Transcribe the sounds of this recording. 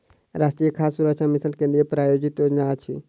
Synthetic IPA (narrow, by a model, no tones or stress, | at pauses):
ɾasʈijekʰaːsuɾəkt͡ʃʰəmisənkeliepɾaːjod͡ʒit̪jod͡ʒnat͡ʃʰḭ